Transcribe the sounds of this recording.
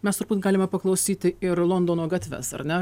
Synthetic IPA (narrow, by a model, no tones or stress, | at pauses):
mʲɛst̪ʊɾbuːt̪ɡɑːlʲɪmɐpɐklˠɐʊsʲiːt̪ʲɪɪɾlˠond̪oːnoːɡɑt̪ʲʋʲɛ̰sɐ̰ɾnʲɛ